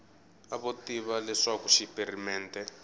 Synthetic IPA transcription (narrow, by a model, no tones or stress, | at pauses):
aβotiβalɛʂakuʃiperimɛːntɛ